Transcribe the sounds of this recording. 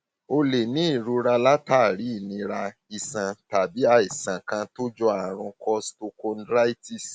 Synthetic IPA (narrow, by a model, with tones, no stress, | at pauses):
o˧le˨nĩ˨˦i˦˨ɾu˧˦ɾa˧la˦taː˦˨ɾi˨˦i˦˨nĩ˧ɾa˧i˨sã˨ta˨bi˨˦a˧i˨sã˨kã˧to˦d͡ʒɔ˧˦a˨ɾ̃ũ˧kʰɔ˧sto˧ko˧nɾa˦i˦ti˦˨s